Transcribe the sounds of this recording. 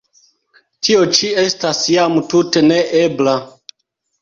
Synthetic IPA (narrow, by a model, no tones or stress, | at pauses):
tʰio̞t͡ʃiestasjamututeneʔebla